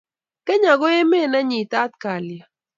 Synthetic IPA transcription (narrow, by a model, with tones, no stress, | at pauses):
kɛ˦ɲa˨ɡo˦e˦me˦˨na˦ɲi˨t̪a˦t̪̚ka˨lja˨